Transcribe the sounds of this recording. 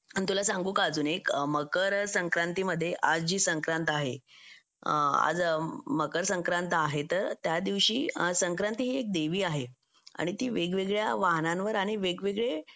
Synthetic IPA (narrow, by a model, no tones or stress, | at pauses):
ənit̪ulasãŋɡuːkːd͡zuːnekməkəɾsəŋkɾant̪iːməd̪ʱːjeʔad͡zd͡ʑiːsəŋkɾant̪aɦe | a̰d͡zməkəɾsəŋkɾãnt̪aɦet̪əɾt̪jad̪iʋɕiːsəŋkɾant̪iɦiːek̚d̪eʋiːaɦe | a̰ɽ̃it̪iːʋeɡʋeɡɭjaʋaɦnãnʋəɾaɽ̃iʋeɡʋeɡɭe